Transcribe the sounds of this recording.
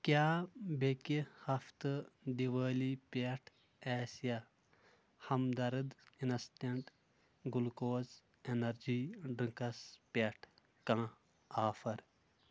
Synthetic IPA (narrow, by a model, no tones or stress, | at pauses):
kjaːbekihɐft̪ɨd̪iʋəːliːpeʈʰ | ɛːsija | hɐmd̪ɐɾɨd̪inɐst̪eɳʈ | ɡulkoːz | enɐɾd͡ʒiːɖɾiŋkɐspʲeʈʰ | kãː | aːfʰɐɾ